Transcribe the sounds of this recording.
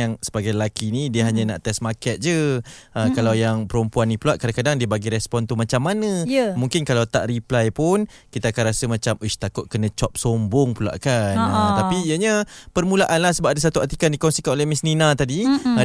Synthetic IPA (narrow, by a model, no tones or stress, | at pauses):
aŋsəbaɡajlakinidiəɦaɲana̰ʔt̪ɛsmakɛt̪̚d͡ʒəəkalawjaŋpəɾumpuanːĩpuluaʔkadaŋkadaŋdiəbaɡiɾɛspɔnt̪umat͡ʃamːanə̃jəmuŋkɪnkalawt̪a̰ʔriplajpʊn | kit̪aakanɾasəmat͡ʃamuʃt̪akʊt̪̚kənə̃t͡ʃɔp̚sombʊŋpula̰ʔkanət̪apiijəɲəpərmũlaʔanlahsəbap̚adasat̪uat̪ikandikɔnsikanolɛhmisninat̪adi